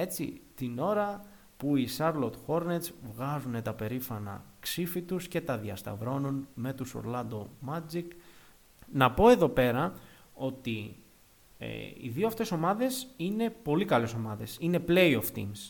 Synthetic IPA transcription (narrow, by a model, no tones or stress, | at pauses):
e̞t͡sḭt̪ino̞ɾɐ | puisɐɾlo̞t̪xo̞ɾnet̪svɣɐzune̞t̪ɐpe̞ɾifɐnɐ̰ksifit̪usce̞t̪ɐðiɐst̪ɐ̰vɾo̞nunme̞t̪uso̰ɾlɐnd̪o̞mɐd͡zik | nɐpo̞e̞ðo̞pe̞ɾɐ | o̞t̪i | ḛḭðioɐft̪e̞so̞mɐðe̞sine̞po̞likɐle̞so̞mɐðe̞sine̞ple̞jo̞ft̪ḭms